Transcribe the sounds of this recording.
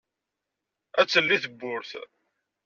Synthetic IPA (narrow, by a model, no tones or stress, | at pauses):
æt͡sːəlːiθəbːʊɾθ